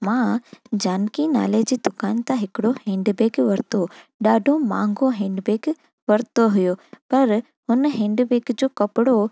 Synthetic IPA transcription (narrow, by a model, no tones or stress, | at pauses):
mãːd͡ʑaːnkina̰ːled͡ʑiːd̪ʊkaːnt̪ãɦɪkɪɽohẽːɳɖbeːɡʋɐɾt̪oɗaːɖʱomãːŋɡoɦẽːɳɖbeːk | ʋɐɾt̪oɦʊjopɐɾ | hʊnɦẽːɳɖbeːɡd͡ʑoːkɐpɪɽo